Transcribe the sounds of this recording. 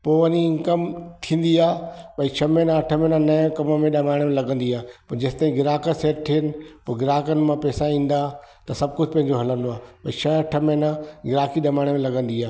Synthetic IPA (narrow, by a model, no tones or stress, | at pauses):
poːʋɐɲikɐmt̪ʰĩːn̆d̪iaːɓɐĩt͡ɕʰɐmẽnãɐʈʰəmẽnãnɐj̃kɐməmẽɗɐmaːɪɽ̃emẽlɐɡə̃nd̪iaːpɐɾd͡ʑɐst̪aːĩɡɪɾaːkəseːʈʈ̪ʰɪɪnɪ̆poːɡɪɾaːkənɪ̆mãpɛːsaĩːn̆d̪a | t̪ɐsɐb̚kʊd͡ʑʱpɐ̃ɦɪ̃ɲ̆d͡ʑoɦɐlə̃nd̪oaːɓɐit͡ʃʰɐɐʈʰəmẽnaɡɪɾaːkiɗɐmaːɽ̃emẽlɐɡə̃nd̪iaːɦ